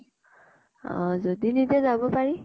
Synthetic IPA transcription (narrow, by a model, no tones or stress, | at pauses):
ɔ̰̃zod̪inidazabɔpaɹi